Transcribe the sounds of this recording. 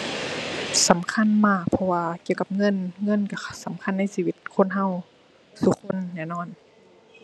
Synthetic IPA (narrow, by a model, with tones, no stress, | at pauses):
sa˨˦mkʰa˧˥˨nmaː˧˩k̚pʰɔ˧waː˧ki˧˨wka˧˦p̚ŋɤ˧˥˨nŋɤ˧˥˨nka˧˩sa˨˦mkʰa˧˥˨nːa˧˥˨jsiː˧˨wi˧˦t̪̚kʰo˧˥˨nɦa˧˨w | su˧kʰo˧˥˨nːɛː˧˩˨nɔː˧˥˨n